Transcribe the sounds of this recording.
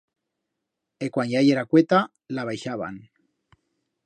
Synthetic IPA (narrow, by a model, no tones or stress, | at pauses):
ekwanʝajeɾakwet̪a | laβajʃaβa̰n